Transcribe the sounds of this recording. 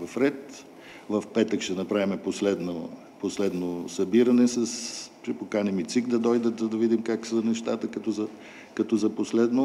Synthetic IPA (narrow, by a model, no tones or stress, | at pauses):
vɐfɾɛt̪ | vɐfpɛt̪əkʃt̪ɛnɐpɾavʲimɛposlɛd̪no | poslɛd̪nosɐbiɾɐnɛsɐspɾipokanɛmit̪sikd̪ɐd̪ɔjd̪ət̪zəd̪ɐvid̪imkaksənɛʃt̪at̪əkɐt̪ɔzɐ | kɐt̪ɔzɐposlɛd̪no